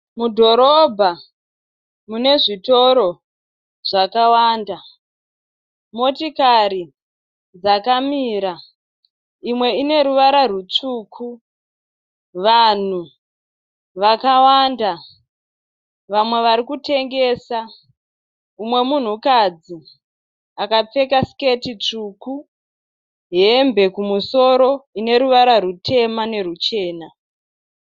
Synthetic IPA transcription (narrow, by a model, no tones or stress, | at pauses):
mudʱo̞ɾobʱa | mune̞ʐito̞ɾo̞ | ʐ̥akawaːnda | mo̞tikaɾi | d͡zakamiːɾa | imwe̞ine̞ɾuʋaɾarut͡ʂuːkʰu | ʋan̤u | ʋakawanda | ʋamwe̞ʋaɾikute̞ŋɡe̞ːsa | umwe̞mun̤ukad͡zi | akap͡fe̞kasi̥ketit͡ʂuku | ɦembe̞kumuso̞ɾo̞ine̞ɾuʋaɾarutʰe̞mane̞rut͡ʃe̞ːna